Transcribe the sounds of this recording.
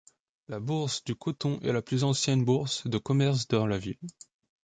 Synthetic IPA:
labuʁsd̪ykʰɔt̪ɔ̃ʔɛ̰laplyzɑ̃sjɛnbuʁsd̪əkɔmɛʁs̬d̪ɔʁlavil

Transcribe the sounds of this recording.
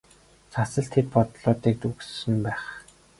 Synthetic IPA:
t͡sʰasə̆ɬt̪ʰet̪̚pɔt̪ɮʊːt̪iːk̚t̪ukssɘ̆mpæːχ

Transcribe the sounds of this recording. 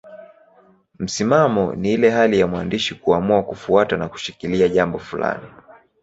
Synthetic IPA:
m̩simamɔ̰niilɛɦalijamwandiʃikuamuakufuatanaku̥ʃikiliaʄambɔfula̰ni

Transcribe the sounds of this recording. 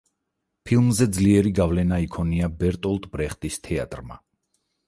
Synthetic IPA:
pʰilˠmzɛd̪zliɛɾiɡavlɛnaikʰɔniabɛɾt̪ʼɔlˠt̪ʼbɾɛχt̪ʼist̪ʰɛa̰t̪ʼɾma̰

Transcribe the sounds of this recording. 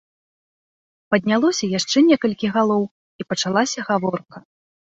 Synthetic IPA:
pɐd̪̚ʲnʲalˠɔsʲɐjaʂt͡ʂɛnʲɛkɐlʲkʲiɣalˠɔw | ipɐt͡ʂalˠasʲɐɣavɔrkɐ

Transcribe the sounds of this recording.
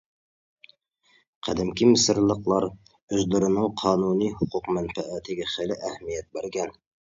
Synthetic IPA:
qʰæd̪ɪmkʲɪmɪsɪɾlˠəqlˠɑɾ | øzlɪɾɪnɨwqʰɑːnunijhʊqʰʊqmænfæʔæt̪ʰɪɡʲɛχɪlɪʔæhmijɛt̪̚bæɾɡʲæn

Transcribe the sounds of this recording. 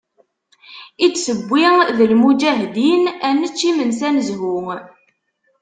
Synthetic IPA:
id̪səbʷːiðəlmud͡ʒæɦd̪inænːət͡ʃːimənsænəzɦu

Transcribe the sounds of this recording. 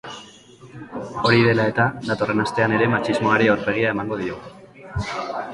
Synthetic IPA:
o̞ɾiðe̞lae̞t̪aðat̪o̞re̞nast̪e̞ane̞ɾe̞mat͡ʃizmo̞aɾiawɾpe̞ɣ̞iae̞maŋɡo̞ðio

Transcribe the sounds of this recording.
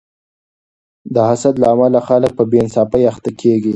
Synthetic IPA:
d̪əhasad̪laːmalaxalək̚pəbensɑpəjaxt̪akʰeɡi

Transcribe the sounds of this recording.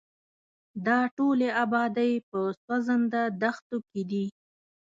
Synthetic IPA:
d̪ɑʈoleabɑd̪ajpəswazənd̪ad̪axt̪oked̪i

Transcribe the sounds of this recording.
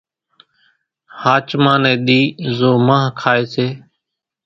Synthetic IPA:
haːt͡ʃmãːnẽːɗ̪iːzoːmãːɦkʰaːeːseː

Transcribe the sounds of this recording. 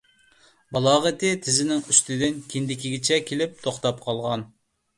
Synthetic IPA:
bɑlˠɑːʁət̪ɪt̪ʰɪzɪnɪŋyst̪ɪd̪ɪnkʲʰind̪ɪkʲiɡʲit͡ʃʰɛkʲʰelɪp̚t̪ʰoχt̪ɑp̚qʰɑlˠʁɑn

